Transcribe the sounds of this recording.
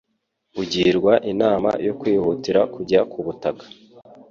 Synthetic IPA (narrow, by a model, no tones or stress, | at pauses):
uɟiːɾɡwaʔinaːma̰jokwiːhutiɾakuɟakuβutakḁ